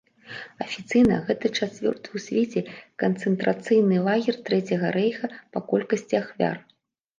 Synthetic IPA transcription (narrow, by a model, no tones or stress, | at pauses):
ɐfʲit̪sɨjnɐɣɛt̪ɐt͡ʂat͡sʲvʲɔ̰rt̪ɨusʲvʲet͡sʲɛkɐnt̪sɨnt̪ɾat̪sɨjnɨlˠaɣʲɛrt̪ɾɛt͡sʲɐɣɐɾɛjxɐpɐkɔlʲkɐsʲt͡sʲiaxvʲa̰r